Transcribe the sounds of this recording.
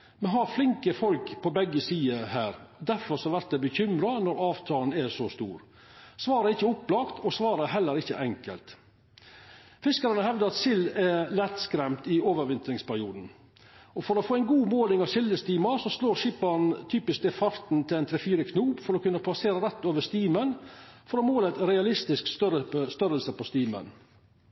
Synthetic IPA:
mɛɦɑɾflɪŋkəfɔlkpʰɔbɛɡːəsiːəhæːɾd̪æɾfɔɾsɔhɑɾʋæɾt̪d̪ɛbəçʏmɾɑnɔɾɑːʋt̪ʰɑːln̩ɛsɔst̪ṵːɾ | sʋɑːɾəæɾɪçːəʊpːlɑkt̪ʰɔsʋɑːɾəæɾɦɛlːəɾɪçːə̰ʔɛŋkə̰lt̪ | fɪskɑɾənəhɛʋd̪əɾɑt̪sɪlɛlɛt̪skɾɛmt̪ɪoːʋəɾʋɪnt̪ɾɪŋspæɾɪuːd̪n̩ | ɔfɔɾɔːfoːɛɪnɡuːmoːlɪŋɑʋsɪlːəst̪iːmɑɾsɔsloːɾʃɪpːɑɾnt̪ʰyːpɪsk̚d̪ɛfɑɾt̪n̩t̪ʰɪlɛnt̪ʰɾɛfiːɾəkʰnuːpfɔɾɔkʉnːəpʰlɑseːɾəɾɛt̪ːoːʋəst̪iːmənfɔɾɔmoːlət̪ɾɛɑlɪst̪ɪsksəst̪œɾəlsəpʰɔst̪iːmə̰n

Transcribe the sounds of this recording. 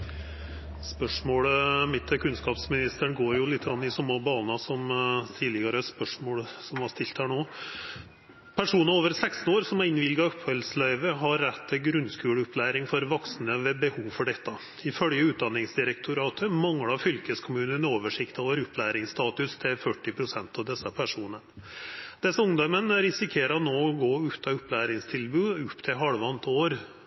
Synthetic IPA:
spœʂmoːɽəmɪt̪ʰːəkʰʉnskɑːpsmɪnɪst̪əɳɡoːɾjʊlɪt̪ʰːɾɑnːɪsɔmːəbɑːnɑsɔmt̪ʰiːd̪ɪɡɑɾəspœʂmoːɽsɔmhɑʂt̪ɪlt̪hæːɳoː | pʰæʂuːnəɾoːʋəɾsækst̪n̩oːɾsɔmæɾɪnʋɪlɡɑɔphœlslæɪʋəɦɑɾːɛt̪ʰːɪɡɾʉnskʉːɽʊplæːɾɪŋfɔɾʋɑksnəʋɛbəhuːʋfɔɖɛt̪ːɑ | ɪfœljəʉːt̪̚d̪ɑnːɪŋsd̪ɪɾɛk̚t̪ʰʊɾɑːt̪ʰəmɑŋɽɑfʏlkəskʰʊmʉːnənoːʋəʂɪkt̪oːʋəɾʉpːlæːɾɪŋst̪ɑːt̪ʉst̪ʰɪlfœʈːɪpʰɾʊsɛnt̪ɑʋd̪ɛsːəpʰæʂuːnəɳd̪̥ɛsːəʊŋd̪ɑmənæɾɪsɪkʰeːɾɑɔnoːɔɡoːʉːt̪ʰɑʉpːlæːɾɪŋst̪ʰɪlbʉːʉpːt̪ʰɪlɦɑɽʋɑnt̪oːɾ

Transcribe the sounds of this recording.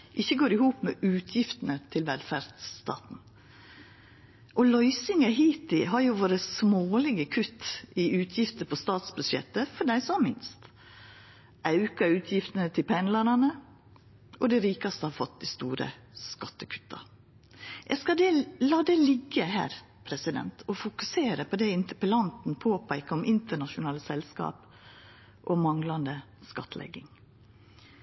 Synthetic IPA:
ʔɪçːəɡoːɾɪhuːpmɛːʔʉːt̪ʰjɪft̪ənət̪ʰɪlʋɛlfæɾd̪st̪ɑ̰ːt̪n̩ | ʔɔlɔʏsɪŋɑhiːt̪ɪɦɑɾjʊʋoːɾəsmoːlɪɡəkʰʉt̪ːɪʉːt̪ʰjɪft̪əpʰɔst̪ɑːt̪sbʉʃɛ̰t̪ːəfɔɖæɪsɔmɪnst̪ | ʔɑʉkɑʉːt̪ʰjɪft̪ənət̪ʰɪlpʰɛnlɑɾɑnə | ʔɔd̪ɛɾiːkɑst̪əhɑːɾfɔt̪̚d̪iɪst̪uːɾə̰ | skɑt̪ːəkʰʉ̥t̪ːɑ̰ | ʔɛskɑd̪ɛlɑːd̪ɛlɪɡːəɦæ̰ːɾ | pʰɾɛsɪd̪ɛ̰nt̪ʰɔfʊkʉseːɾəpʰɔd̪ɛɪnt̪əpəlɑnt̪n̩pʰoːpʰæɪkəɔmʔɪnt̪əɳɑʃʊnɑːləsɛlskɑ̰ːp | ʔɔmɑŋlɑnd̪ə | skɑt̪ʰlɛ̰ɡɪŋ

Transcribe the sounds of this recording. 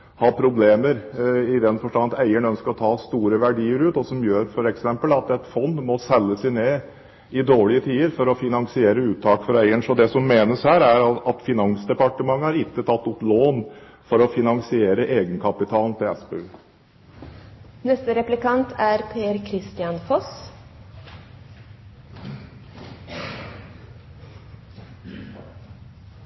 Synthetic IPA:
hɑːpʰɾʊbleːməɾɪd̪ɛnfɔʂʈɑnɑt̪æɪəɳœnskəɾɔt̪ʰɑːst̪uːɾəʋæɖiːəɾʉːt̪ɔsɔmjøːɾfɔɾɛksɛmpəlɑt̪ɛt̪fɔnd̪mɔsɛlːəsæɪneː | ɪd̪oːɭɪət̪ʰiːəɾfɔɾɔfɪnɑŋsɪeːɾəʉːt̪ʰːɑːkfɔɾæɪəɳsɔd̪ɛsɔmːeːnəshæːɾæɾɑt̪fɪnɑnsd̪ɛpɑʈəmɑŋːəæɾɪkːət̪ʰɑt̪ːʊploːn | fɔɾɔfɪnɑŋsɪeːɾəʔeːɡənkʰɑpɪt̪ʰɑːlnt̪ʰɪlɛspəl | nɛst̪əɾɛplɪkɑnt̪ʰæɾpʰeːæɾkʰɾɪst̪ɪɑnfɔs

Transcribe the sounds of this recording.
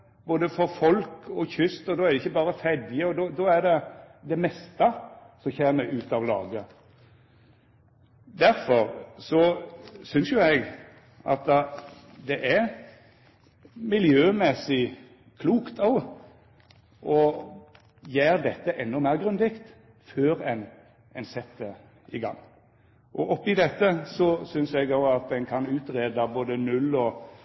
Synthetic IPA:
boːd̪əfɔɾfɔlkʰɔçʏst̪ɔd̪ɔːæɾd̪ɛɪçːəbɑːɾəfɛd̪ɪəɔd̪ɔd̪ɔæɾd̪ɛd̪ɛmɛst̪ɑsɔmçeːməʔʉːt̪ɑʋlɑ̰ːɡə | d̪æɾfɔɾsɔsʏnsjʊɛɡ | ʔɑ̰t̪ːə | d̪ɛʔæ | mɪljøːmɛsɪ | kʰluːkt̪ʰɔɡ | ʔɔ | jæːɾd̪ɛt̪ːəʔɛnːɔmæːʁɡɾʉnd̪ɪkt̪ | føːɾɛn | ɛnsɛt̪ə | ɪɡɑ̰ŋː | ʔɔʔɔpːɪd̪ɛt̪ːəsɔsʏnsɛɡoʊɑt̪ɛnkʰɑnʉːt̪ʁeːd̪ɑboːd̪ənʉlːɔ

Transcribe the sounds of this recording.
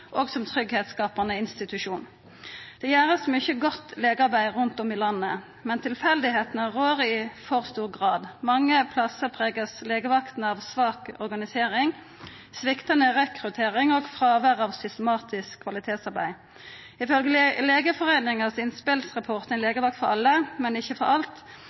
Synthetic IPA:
ʔoːɡsɔmt̪ʰʁʏɡheːt̪skɑːpɑnəɪnst̪ɪt̪ʉʃuːn | d̪̥ɛjæːʁəsmʏçəɡɔt̪ːleːɡəɑʁbæɪʁʉnt̪ɔmiːlɑnːə | mɛnt̪ʰɪlfɛld̪ɪɦeːt̪n̩ɑʁoːʁɪfɔʁst̪uːʁɡʁɑːd̪mɑŋːəpʰlɑsəʁpʰʁeːɡəsleːɡəʋɑkt̪n̩ɑːʋsʋɑːkɔ̰ʁɡɑnɪseːʁɪŋ | sʋɪkt̪ənəʁɛkʁʉt̪ʰeːʁɪŋɔːɡfʁɑːʋæʁɑːʋsʏst̪əmɑːt̪ʰɪskʰːʋɑlɪt̪ʰeːt̪sɑʁbæ̰ɪ | ɪfœlɡələleːɡəfɔʁeːnɪŋəsɪnspɪlsʁɑpʰɔʁt̪ɛnleːɡəʋɑkt̪fɔɾɑ̰lːəmɛnɪçəfɔɾɑlt̪

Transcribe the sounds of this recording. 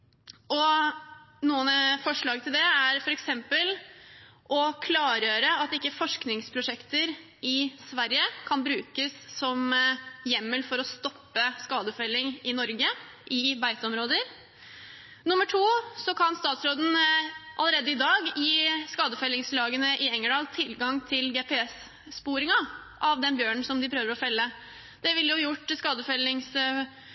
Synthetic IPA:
ɔ | nuːənfɔʂɭɑːɡ̚t̪ʰɪld̪ɛæɾfɔɾɛksɛmpəl | ʔɔkʰlɑːɾjøːɾəɑt̪ɪkːəfɔʂknɪŋspʰɾʊʂɛkt̪əɾ | ɪsʋæɾjəkʰɑnbɾʉːkəsːɔmjɛmːəlfɔɾɔst̪ɔpːəskɑːd̪əfœlːɪŋɪnɔɾɡə | ʔɪbæɪt̪əɔmɾoːd̪əɾ | nʊmːəʈʰuːsɔkʰɑnst̪ɑːt̪sɾoːd̪n̩ʔɑləɾeːd̪əɪd̪ɑːɡjjiːskɑːd̪əfɛlːɪŋslɑːɡənəʔɪɛŋːəɖɑːlt̪ʰɪlɡɑŋt̪ʰɪlɡɛːpʰɛɛs | spuːɾɪŋɑ | ʔɑʋd̪ɛnbjøːɳ̩sɔmd̪ɪpʰɾøːʋəɾɔfɛlːə | d̪̥ɛʋɪlːjʊjʊʈːskɑːd̪əfɛlːɪŋs

